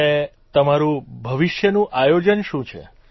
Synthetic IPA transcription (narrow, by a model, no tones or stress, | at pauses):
e | t̪əmaɾũbʱəʋiʃjənũʔajod͡ʒənʃũt͡ʃʰḛ